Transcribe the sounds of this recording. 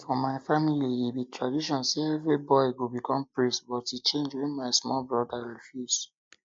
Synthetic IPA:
fɔ̃maɪfamiliibitʰɹadiʃɔ̃nseɛvɹibɔɪɡobikʰɔ̃mpɹistbɔtit͡ʃẽnd͡ʒwɛ̃nmaɪsmɔlbɹɔdaɹifjuz̥

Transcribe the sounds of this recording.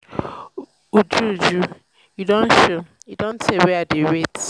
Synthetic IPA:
ud͡ʒud͡ʒu | judõnʃojudõntʰɛwɛadeɹet

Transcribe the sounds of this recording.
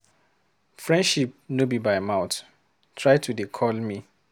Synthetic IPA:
fɹɛ̃ndʃip̚nobibajmaʊt | tʰɹajtʰudikʰɔlmi

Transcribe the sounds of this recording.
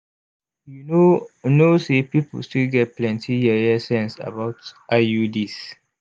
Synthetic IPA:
junonosepipə̰lstilɡɛt̚plɛ̃ntʰijɛɛsɛ̃nsa̰baʊtʔajudis

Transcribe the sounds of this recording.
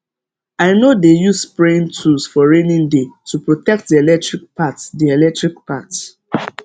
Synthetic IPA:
aɪnodejusspɹẽntʰusfɔɹenĩndetupɹotɛk̚tdielɛk̚tɹik̚pʰatdielɛk̚tɹikpat

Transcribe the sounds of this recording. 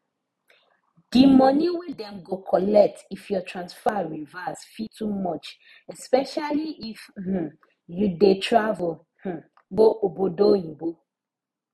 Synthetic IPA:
d̥imɔniwidɛ̃mɡokʰɔlɛk̚tifjɔtɹãnsfaɹivasfitʰumɔt͡ʃ | ɛspɛʃaliʔifh̩ | judetʰɹav | h̩ | boʔobodoibo

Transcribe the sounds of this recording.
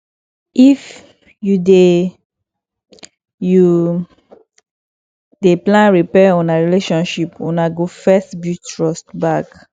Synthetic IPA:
if | jude | ju | deplãnɹipɛɔ̃naɹileʃɔ̃nʃipɔ̰̃naɡofɛstbutɹɔstbak

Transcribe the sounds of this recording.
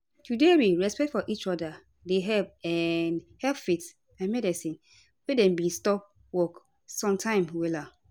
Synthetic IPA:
tʰudewiɹɛspɛk̚tfɔʔit͡ʃɔda | deɦɛlpɛ̃nhɛlpfit | ãnmɛdisĩn | wedɛ̃mbĩstɔp̚ | wɔk | sɔ̃mtʰãɪ̃mwɛla

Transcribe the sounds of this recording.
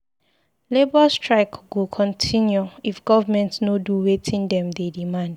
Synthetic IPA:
lebɔstʰɹaɪkwukʰɔ̃ntʰĩnjuifɡ̥ɔvamɛ̃ntsnoduwetʰĩndɛ̃mdedimãnd̥

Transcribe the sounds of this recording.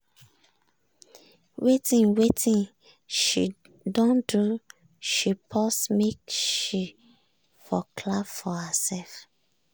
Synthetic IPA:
wetĩnwetʰĩn | ʃi | dɔ̃ndu | ʃipʰɔsmekʃi | fɔkʰlabfɔhasɛlf

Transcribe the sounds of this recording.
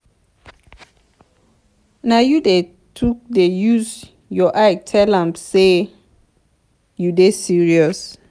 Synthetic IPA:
najude | tʰuk̚dejus | jɔʔajk̚tʰɛlãmse | judesiɹiɔs

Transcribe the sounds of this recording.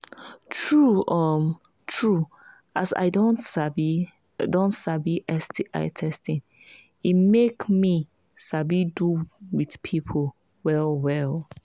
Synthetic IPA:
tʰɹuɔm | tʰɹu | asa̰ɪdõnb | dõntsabiʔɛstʰiʔa̰ɪtʰɛstĩn | imekmi | sabiduwiθpʰipʰo | wɛlwɛlˠ

